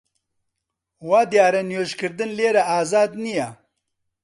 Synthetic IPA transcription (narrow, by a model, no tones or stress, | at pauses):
waːd̪jaːɾɛnjoːʒkɨɾd̪ɨnleːɾaaːzaːd̪nija